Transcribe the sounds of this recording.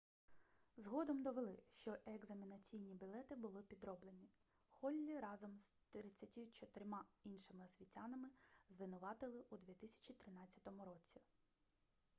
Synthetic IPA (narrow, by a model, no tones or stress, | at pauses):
zɦɔd̪ɔmd̪ɔʋelˠɪʃt͡ʃɔʔeɡzɐmʲinɐt͡sʲijnʲibʲilˠɛt̪ɪbʊlˠɪpʲid̪ɾɔblˠenʲi | xɔlʲːiɾɑzɔmst̪ɾɾɪt͡sʲːɐtʲit͡ʃɔt̪ɪɾʲmɑinʃɪmɪɔsʲʋʲitʲanɐmɪzʋɪnʊʋɑt̪ɪlˠɪʔud̪ʲʋʲit̪ɪsʲɐ̥t͡ʃʲit̪ɾɪnɑt͡sʲːɐt̪ɔmʊɾɔt͡sʲi